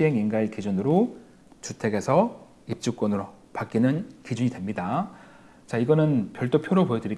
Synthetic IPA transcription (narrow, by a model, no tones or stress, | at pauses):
ɕiɦe̞ŋinɡaikid͡ʑunɯɾo | t͡ɕutʰe̞ɡe̞sʰʌ | ip̚t͡ɕ͈uk͈wʌnɯɾo | pak͈inɯnkid͡ʑuɲidwe̞mɲida | t͡ɕaiɡʌnɯnpjʌɭt͈opʰjoɾopoedɯɾi